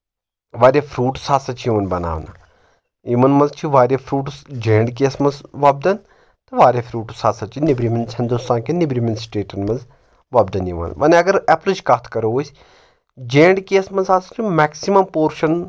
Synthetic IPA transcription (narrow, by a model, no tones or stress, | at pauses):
ʋaːɾʲjafʰɾuːʈsaːsɐt͡ʃʰiiʋɐnbɐna̰ːʋna | imɐnmɐ̃nzt͡ʃʰiʋaːɾʲafʰɾuːʈsd͡ʒẽːɳɖk̬eːsmɐnzʋaːb̚d̪ɐn | t̪ɐʋaːɾʲjafʰɾuːʈsaːsɐt͡ʃʰinibɾimenshɐnd̪ust̪aːnkenibɾimensʈeːʈɐnmɐnz | ʋaːbd̪ɐniʋɐ̰nʋɐnɐɡɐɾɛplɐd͡ʒkaːt̪ʰkɐɾoʋoːsʲ | d͡ʒẽːɳɖkeːsmɐnzaːsɐt͡ʃʰimɛːksimɐmpoːɾʃɐn